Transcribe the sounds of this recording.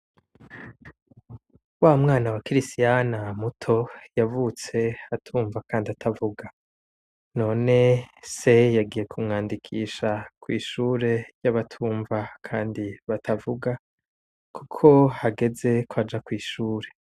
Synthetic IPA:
waːmŋaːnawakiɾistijanamutʰo̞javut͡se̞atʰuːɱvakaːndiatʰavuɡa | no̞ːne̞se̞jaɡije̞kʰumŋaːndikʰiːʃakwiːʃuːɾe̞jaβatʰuːɱvakʰaːndiβatʰavuɡa | kukʰo̞haɡe̞ze̞kwad͡ʒakwiːʃuːɾe̞

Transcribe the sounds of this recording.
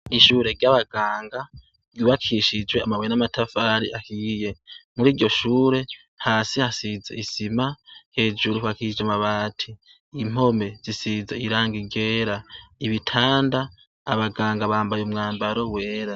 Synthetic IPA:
iʃuːɾe̞ɾɟaβaɡaːŋɡa | ɡjuβakʰiʃid͡ʒwe̞amaβwojenamatʰafaːɾiʔakiːje̞muɾiːɾɟo̞ʃuːɾe̞ | haːsihasizḛisimahe̞ːd͡ʒuɾuhakid͡ʒamaβaːtʰiː | m̥o̞me̞zisizeiɾaːŋɡiɟe̞ːɾaiβitʰaːndaː | βaɡaːŋɡaβaːmbajumŋaːmbaɾo̞we̞ːɾa

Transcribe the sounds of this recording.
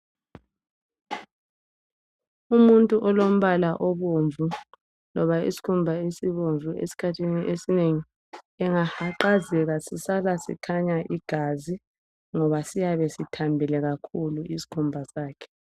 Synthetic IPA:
umuntʼuʔɔlom̩βalaʔɔβoɱvʱu | lɔβaḭsi̥kʰumbʱaesiβoɱvuḛsi̥kʰatʰiniʔesineŋi | ɛŋahaǃazɛɣasisalasḭkʰaɲaʔiɡ̥ʱazi | ŋɔβasijaβesitʰambʱɛlɛɣakʰuluʔisi̥kʰumbʱasaːkʰɛ̥

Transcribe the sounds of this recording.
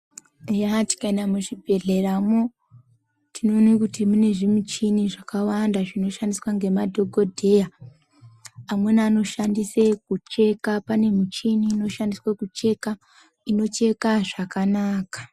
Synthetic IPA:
ejati̥kaenamuʐibʱe̞ɮeramo | tʰino̞nikutimune̞ʐimut͡ʃiniʐakawandaʐino̞ʃandiswaŋɡe̞madʱo̞ɡʱo̞dʱe̞ja | amwe̞nano̞ʃandisekut͡ʃe̞kapane̞mut͡ʃiniːno̞ʃandiswakut͡ʃe̞ka | ino̞t͡ʃe̞kaʐakanaːkḁ

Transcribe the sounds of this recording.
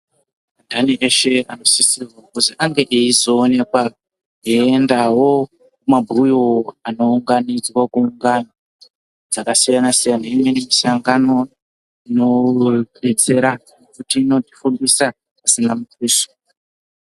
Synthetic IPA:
andʱaniʔeʃe̞ano̞sisirwakuziʔaŋɡe̞ʔeizo̞ːne̞kwa | eendawo̞ | kumabʱujoano̞uŋɡanid͡zwakuːŋɡano | d͡zakasijanasijanaimwe̞nemisaŋɡano̞ | ino̞ | et͡se̞ɾa | nekutiːno̞tifunbisa | asinamukiːso̥

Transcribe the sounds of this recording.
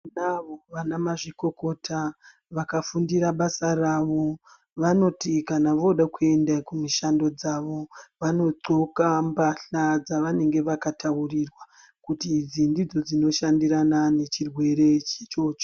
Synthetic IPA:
naʋo̞ʋanamaʐiko̞ko̞tʰa | ʋakafundiɾaɓasaraʋo̞ | ʋano̞tikanaʋo̞ɗakue̞ndakumiʃando̞d͡zaʋo̞ʋano̞ǃokambaɬad͡zaʋane̞ŋɡe̞ʋakatʰaurirwa | kutid͡zindid͡zo̞d͡zino̞ʃandiɾanane̞t͡ʃirwe̞ɾe̞t͡ʃet͡ʃo̞ːt͡ʃo̥

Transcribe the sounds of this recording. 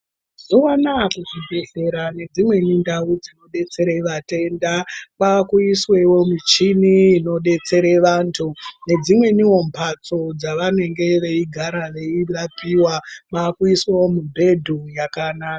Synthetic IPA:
zuwanakuʐibʱeeɾane̞d͡zimwe̞nindaud͡zino̞ɗe̞t͡se̞ɾeʋate̞ndapakuiswe̞wo̞mit͡ʃiniːno̞ɗe̞t͡se̞ɾeʋaːntʰune̞d͡zimwe̞niwo̞mpʰat͡so̞d͡zaʋane̞ŋɡe̞ʋe̞iɡʱaɾaʋe̞irapiwapakuiswawomubʱe̞dʱujakanaːka

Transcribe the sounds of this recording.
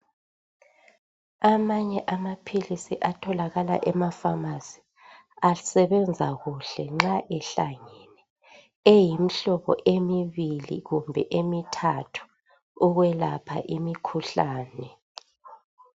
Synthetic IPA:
amaɲɛʔamapʰilisiʔatʰɔlaɣala̰ʔɛmafamaz̥i | asɛβɛnd͡zʱaɣuɬɛŋ͡ǁaʔɛɬa̰ŋɛnɛ | ejimiɬɔβɔ̰ʔemiβilḭɣumbʱɛ̰ʔemitʰatʰu̥ː | ɣwɛlapʰa̰ʔimikʰuɬaːnɛ

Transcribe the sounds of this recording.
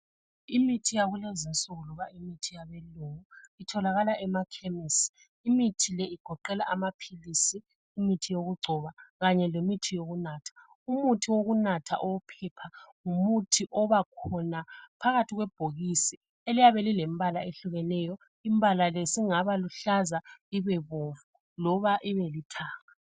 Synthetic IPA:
imitʰijaɣulezinsʼuɣuluβaimitʰijaβɛluŋuitʰɔlaɣalaʔɛmakʰemisi̥ː | mitʰilɛiɡ̥ʱɔǃɛlaʔamapʰilisiː | mitʰijoɣuɡ͡ǀʱɔβaɣaɲɛlemitʰijoɣunaːtʰḁ | umutʰiwoɣunatʰa̰ʔɔwɔpʰɛpʰaŋumutʰiʔɔβakʰɔnapʰaɣatʰiɣwɛb̥ʱoɣisi | elijaβelilembalaeɬuɣɛnɛjɔ | imbʱalalesiŋaβaluɬazaiβɛβovu | lɔβaʔiβelitʰaːŋa

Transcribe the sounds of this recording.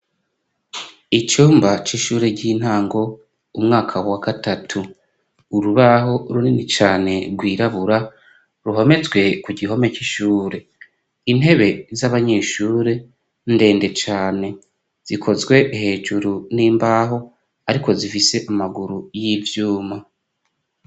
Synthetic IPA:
it͡ʃuːmbat͡ʃiʃuːɾeɟin̥haːŋɡo̞ | umŋaːkʰawaɡatatʰuː | ɾuβaɦo̞ɾuninit͡ʃaːne̞ɡwiːɾaβuɾa | ɾuɦo̞me̞zɡwe̞kuɟiɦo̞me̞t͡ʃiʃuːɾe̞ | in̥he̞βe̞zaβaɲe̞ːʃuːɾe̞ | nde̞ːnde̞t͡ʃaːne̞ | z̥ikʰo̞zɡwe̞ʔhe̞ːd͡ʒuɾuniːmbaːɦo̞ | aɾiko̞zifise̞ʔamaɡuɾujivjuːma

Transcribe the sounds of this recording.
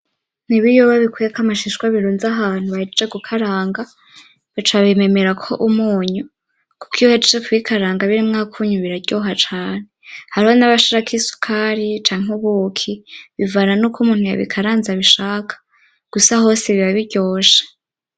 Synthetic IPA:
niβijoβaβikʰujekamaʃiʃkwaβiɾuːnzaɦaːn̥huβaid͡ʒeɡukʰaɾaːŋɡa | βit͡ʃaβime̞me̞ɾakʰo̞̰ʔumuːɲu | kukohad͡ʒit͡ʃekuβikʰaɾaːŋɡaβiɾimŋaːkʰuɲuβiɾaɟoːɦat͡ʃaːnehaɾihonaβaʃaɾakʰisu̥kʰaːɾit͡ʃaːŋ̥uβukʰiβivananukʰumuːnhuja̰βḭkʰaɾaːnzaβiʃaːkʰḁ | ɡ̥usaɦo̞ːseβiβaβiɾɟo̞ːʃe̥

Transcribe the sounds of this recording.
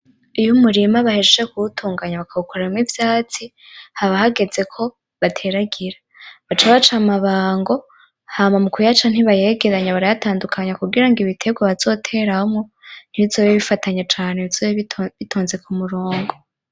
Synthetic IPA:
ijumuɾimaβahed͡ʒeʒekuutʰuːŋɡaɲaβakʰaβukʰoɾamivjaːt͡si | haβahaɡe̞ze̞kʰo̞ | βatʰe̞ɾaɡiɾa | βat͡ʃaβat͡ʃamaβaːŋɡo̞ | haːmamukujat͡ʃan̥iβaje̞ɡe̞ɾaɲaβaɾajataːndukʰaɲakuɡiɾaŋɡiβitʰe̞ɡwaβazo̞tʰe̞ɾahomŋo̞n̥iizoβeβifataɲat͡ʃaːnezoβitʰoːnze̞kʰumuɾoːŋɡo

